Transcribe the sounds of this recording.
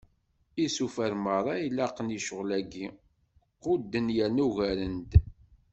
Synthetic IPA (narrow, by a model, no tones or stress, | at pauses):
isufæɾməɾˤɑilːæqəniʃəʁlæɡi | qːʊd̪ːənjænuʝæɾənd̪